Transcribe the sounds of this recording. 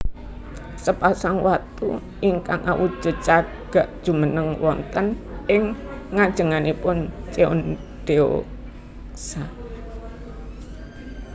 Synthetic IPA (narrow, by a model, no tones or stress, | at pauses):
səpasaŋwat̪ṵ | iŋkaŋawu̥ʒ̥ə̤t͡ʃa | ɡ̥a̤ʔd̥ʒ̥ṳmənəŋwɔ̰nt̪ənɪŋːad̥ʒ̥ə̤ŋanipʊnt͡ʃeʊ̰nɖ̪̥eo̰ | sa